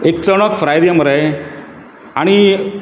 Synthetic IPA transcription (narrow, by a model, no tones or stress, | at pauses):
ek̚t͡səɳ̃əkfɾajd̪jaməɾaj | aɽ̃i